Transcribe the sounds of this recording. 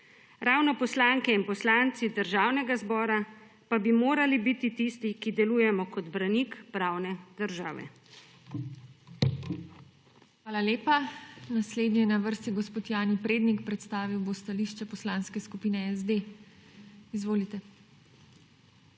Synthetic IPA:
ɾaːwnɔpɔslaŋkɛinpɔslant̪sid̪əɾʒaːwnɛɡazbɔːɾa | pabimoːɾalibit̪it̪ist̪ikid̪ɛluːjɛmɔkɔd̪bɾanikpɾaːwnɛd̪əɾʒaːʋɛ̰ | xʋaːlaleːpanasleːd̪nɛjɛnaʋəɾst̪iɡɔspoːt̪jaːnipɾeːd̪nikpɾɛt̪st̪aːʋiwbost̪aliʃt͡ʃɛpɔslaːnskɛskupiːnɛɛzd̪e | izʋoːlit̪ɛ

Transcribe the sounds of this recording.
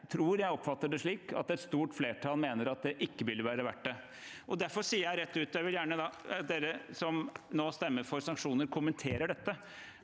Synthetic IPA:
t̪ʰɾuːɾjæɪɔpːfɑt̪ːəɖɛʂɭiːkɑ̰t̪ɛt̪st̪uːʈfleːʈʰɑːlmeːnəɾɑt̪̚d̪ɛʔɪkːəʋɪlʋæːɾəʋæʈːə | ʔɔd̪æɾfɔsiːəɾjæɪɾɛt̪ːʉːt̪ɔjæɪʋɪljæːɳəd̪ɑɑd̪eːɾəsɔmnoːst̪ɛmːəɾfɔɾsɑŋkʂuːnəɾkʰʊmənt̪ʰeːɾəɖɛt̪ːə

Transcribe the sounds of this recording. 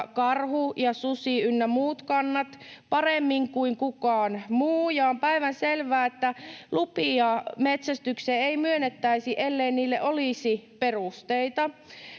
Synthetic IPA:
kɑrhujɑsusiynːæmuːt̪kɑnːɑt̪pɑremːiŋkuiŋkukɑːnmuːjɑompæiʋænselʋæːet̪ːælupiɑmet̪sæst̪ykseːeimyønːet̪ːæisiʔelːeinniːlːeʔoliˑsiperust̪eit̪ɑ

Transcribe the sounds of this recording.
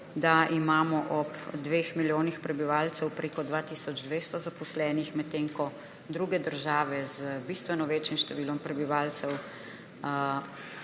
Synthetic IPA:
d̪aimaːmɔʔɔpd̪ʋeːxmiljoːnixpɾɛbiʋaːlt̪sɛwpɾeːkɔd̪ʋaːt̪isɔd͡ʒd̪ʋeːst̪ɔzapɔslɛːnixmɛt̪ːeŋkɔ | d̪ɾuɡɛd̪əɾʒaːʋɛzəbist̪ʋɛnɔʋeːt͡ʃimʃt̪ɛʋiːlɔmpɾɛbiʋaːlt̪sɛw

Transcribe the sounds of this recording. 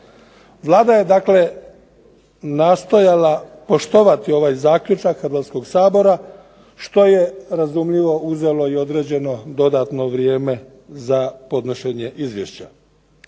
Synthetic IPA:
ʋlˠaːd̪aje̞d̪akle̞ | naːst̪o̞jalapo̞ʃt̪o̞ʋat̪io̞ʋaːjzaːkʎʲut͡ʃakxɾd̪ʋat̪sko̞ɡsaːbo̞ɾa | ʃt̪o̞je̞ɾazumʎiʋo̞uze̞lo̞io̞d̪ɾe̞ːd͡ʑe̞no̞d̪o̞d̪at̪no̞ʋɾje̞ːme̞ | zapo̞d̪noʃe̞ɲe̞ʔizʋjḛʃt͡ɕa

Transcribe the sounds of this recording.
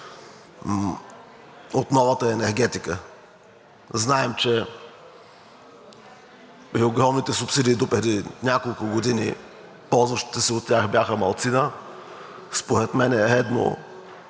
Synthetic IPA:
ot̪nɔvət̪əɛnɛɾɡ̟ɛt̪ikə | znaɛmt͡ʃɛ | pɾioɡɾɔmnit̪ɛsʊpsid̪iːd̪opɾɛd̪inʲakolˠkʊɡod̪inḭ | pɔlˠzvəʃt̪i̥t̪əsiot̪ːʲjaxbjaxəmɐlˠt̪sinə | spoɾɛt̪mɛnɛɾɛd̪no̰

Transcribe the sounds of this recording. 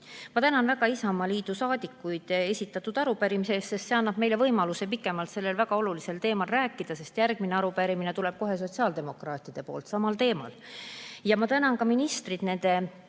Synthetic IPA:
mɑt̪ænɑnvæɡɑisɑmɑliːd̪̥usɑːd̪ikːˑujd̪̥e̞sʲit̪ːˑɑt̪ːˑud̪̥ɑɾupæɾimise̞ːst̪se̞st̪se̞ɑnːɑb̥me̞jlevɤjmɑluse̞pikːˑe̞mɑlt̪se̞lːe̞lvæɡ̥ɑo̞lulise̞lt̪e̞ːmɑlræːkːˑid̪̥ɑse̞st̪jærɡ̥̚mineɑɾupæɾimine̞t̪ule̞b̥̚ko̞ɦe̞s̬o̞t̪siɑːld̪e̞mo̞krɑːt̪ˑid̪̥e̞po̞̰ːlt̪sɑmɑlt̪e̞ːmɑ̰ljɑmɑt̪ænɑnkɑminist̪rid̪ne̞nd̪̥e̞

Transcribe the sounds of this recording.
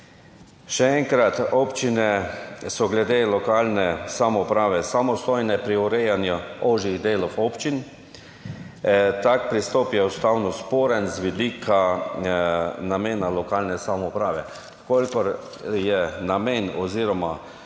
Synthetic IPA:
ʃɛɛŋkɾat̪ɔːpt͡ʃinɛsɔɡlɛd̪eːlɔkaːlnɛsamɔupɾaːʋɛsamɔst̪ɔjnɛpɾiuɾɛjanjuɔʒiɣd̪eːlɔwɔːpt͡ʃin | t̪akpɾist̪ɔpjɛust̪awnɔspoːɾɛnzʋid̪iːkʰa | nameːnalɔkaːlnɛsamɔupɾaːʋɛ̰ | kolʲkɔɾ | jɛnameːnɔziːɾɔma

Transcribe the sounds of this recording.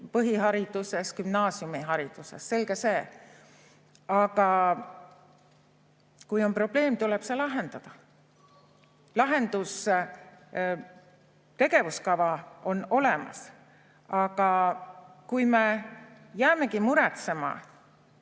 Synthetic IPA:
pɤɦiɦɑɾid̪̥use̞skymnɑːsjumiɦɑɾid̪̥use̞̰sse̞lɡ̥ese̞ː | ɑɡ̥ɑ | kujo̞nmpro̞b̥le̞ːmt̪uleb̥selɑɦe̞nd̪̥ɑd̪̥ɑ | lɑɦe̞nd̪̥us | t̪e̞ɡe̞vuskɑvɑo̞no̞lemɑ̰s | ɑɡ̥ɑ | kujme̞ | jæːme̞kimuɾɛt̪se̞mɑ̰

